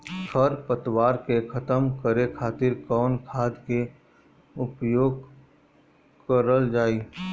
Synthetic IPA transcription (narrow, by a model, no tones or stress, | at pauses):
kʰəɾpət̪waːɾkekʰɐt̪əmkəɾekʰaːt̪ɪɾkɔːnkʰaːd̪ke | ʊpjoːɡ | kəɾəld͡ʒaːiː